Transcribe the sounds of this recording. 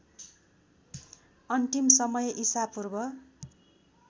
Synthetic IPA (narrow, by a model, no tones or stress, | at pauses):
ʌnt̪imsʌmʌjeʔisapurbʌ